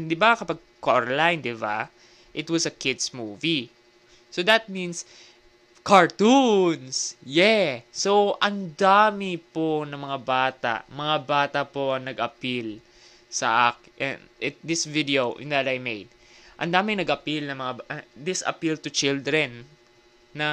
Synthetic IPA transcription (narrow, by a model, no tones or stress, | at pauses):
d̪ɪbakɐpaɡ̚koɹlajnd̪ɪba̰ | ʔɪt̪wɐsɐkɪd̪smuːvi | sod̪ɐt̪̚mĩns | kɐɹt̪unsjɛsowʔɐnd̪aːmɪponɐmɐŋabaːt̪a̰ʔmɐŋabaːt̪ɐpoʔɐŋnɐɡʔɐpil | sɐ̰ʔak̚ʔɛ̰nʔɛt̪d̪ɪsvid̪ɛoʔɪ̰nd̪ɐt̪ajmejd̪̚ | ʔɐ̰nd̪aːmɪŋnɐɡʔɐpilnɐmɐŋabʔɐd̪ɪsɐ̰pilt̪ʊt͡ʃɪld̪ɹɛnː | ɐ